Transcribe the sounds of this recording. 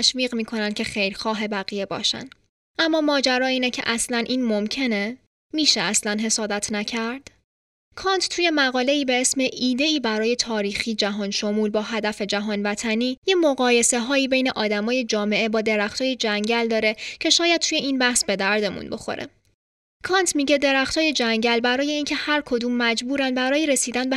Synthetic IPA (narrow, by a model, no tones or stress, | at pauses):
ʃviːɣmiːkʰo̞nænd̪̥̚cʰe̞xejɾxɒːɦe̞bæɣije̞bɒ̰ːʃæ̰n | ʔæmːɒːmɒːd͡ʒæɾɒːiːnecʰḛʔæslænʔiːnmo̞mcʰe̞ne | miːʃeæslænɦe̞sɒːd̪æt̪ʰnæcʰæɾd̪̥ | kʰɒːnt̪ʰt̪ʰuːje̞mæɣɒːle̞iːbe̞esme̞ʔiːd̪e̞iːbæɾɒːje̞t̪ʰɒːɾiːxiːd͡ʒæɦɒːnʃo̞muːlbɒːɦæd̪æfe̞d͡ʒæɦɒːnvæt̪ʰæniːjemo̞ɣɒːje̞se̞ɦɒːiːbe̞jne̞ʔɒːd̪æmɒːje̞d͡ʒɒːme̞ʔe̞bɒːd̪e̞ɾæxt̪ʰɒːjed͡ʒæŋɟæld̪ɒːɾe̞cʰe̞ʃɒːjæd̪̚t̪ʰuːje̞iːnbæhsbe̞d̪æɾd̪e̞mṵnbo̞̰xo̞̰ɾʔḛ | kʰɒnt̪ʰmiɟe̞d̪e̞ɾæxt̪ʰɒːje̞d͡ʒæŋɟælbæɾɒːje̞iːncʰe̞hæɾkʰo̞d̪uːmːæd͡ʒbuːɾænbæɾɒːjeɾe̞siːd̪ænbe